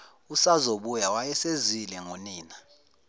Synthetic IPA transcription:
usazoɓujawajɛsezilɛŋoniːna

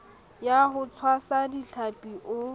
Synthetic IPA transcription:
jaɦʊt͡sʰwasadiɬʰapʼiʔʊ

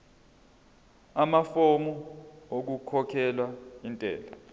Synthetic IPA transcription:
amafomuok̬ukʰɔkʰɛlwaintʼɛ̰ːla

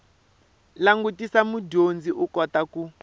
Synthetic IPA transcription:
laŋɡutisamudond͡ziʔukɔt̪aku

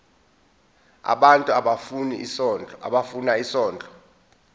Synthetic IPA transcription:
a̰ɓantʼuaɓafuniisɔna̰ɓafunaisɔːnd͡ɮʱʼɔ̥

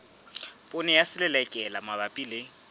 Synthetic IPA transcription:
pʼʊnɛjasɪlɪlɛkʼɛlamabapʼilɪ

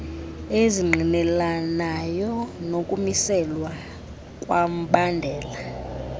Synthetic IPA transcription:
eziŋ͡ǃʱinɛlanajɔnokʼumisɛlwa | kʼwam̩ɓandʱɛːla

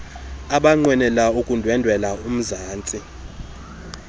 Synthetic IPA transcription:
aɓaŋ͡ǀwɛnɛlaukʼundʱwɛndʱwɛlaum̩zaːnt͡sʼi

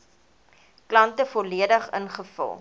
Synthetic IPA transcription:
klɐntəfɔliədəχə̰nχəfə̰lˠ

